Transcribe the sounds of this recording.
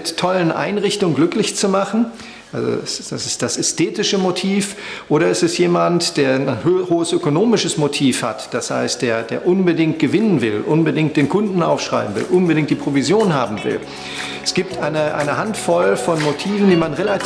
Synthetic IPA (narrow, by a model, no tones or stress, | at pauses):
tʰːɔlənʔa̰ɪnʁɪçtʊŋəɡlʏklɪçt͡sumaχn̩ | ʔalzo̰sd̥asɪstd̥asɛstʰeːtɪʃəmotʰiːfʔoːɾɐɪstɛstjeːmantd̥eːɐnhoːəsʔøkonoːmɪʃəsmotʰiːfha̰td̥asha̰ɪst̚d̥eːɐdeːɐʔʊnbədɪŋt̚ɡ̥əvɪnənvɪlʔʊnbədɪŋ̚t̚d̥eːnkʰʊndn̩ʔaʊfʃʁ̥a̰ɪbm̩vɪ̰lʔʊnbədɪŋkt̚d̥iːpʁ̥ovizjoːnhaːbm̩vɪ̰l | ɛsɡ̥iːp̚tʔaɪnəʔa̰ɪnəhantfɔlfɔnmotʰiːvn̩diːmanʁela